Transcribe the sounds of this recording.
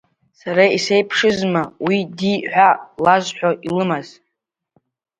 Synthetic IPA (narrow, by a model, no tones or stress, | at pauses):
saɾaisejpʰʂɨzmawidiħʷalazħʷᶣoʔilɨmaz̥